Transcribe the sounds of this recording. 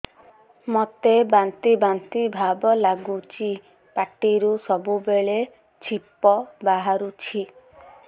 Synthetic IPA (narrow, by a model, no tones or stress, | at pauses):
mot̪ebant̪ibant̪ibʱabɔlaɡut͡ʃʰi | paʈiɾusɔbubeɭe | t͡ʃʰipːɔbaɦaɾut͡ʃʰi